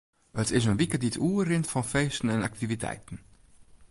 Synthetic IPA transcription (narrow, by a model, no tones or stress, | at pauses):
ətɪzənvikəditʰuːrɪntfɑnfeɪstənɛnak̚tivitʰɛ̰ɪtən